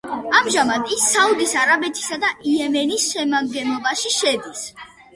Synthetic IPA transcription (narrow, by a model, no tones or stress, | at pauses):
amʒamad̪isːaud̪isaɾabɛt̪ʰi̥sad̪aʔiɛmɛnisʃɛmaɡɛnˠɔbaʃiʃɛd̪is